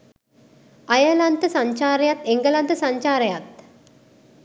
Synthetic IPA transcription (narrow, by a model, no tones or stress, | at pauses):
ɐjəlɐnt̪əsɐ̃ɲt͡ʃaːɾɐjɐt̪eŋɡəlɐnt̪əsɐɲt͡ʃaːɾɐjat̪̚